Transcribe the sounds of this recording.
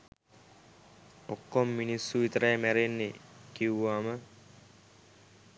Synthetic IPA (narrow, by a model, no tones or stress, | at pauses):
okːomminisːuʋit̪əɾajəmæɾenːekiuʋaːmə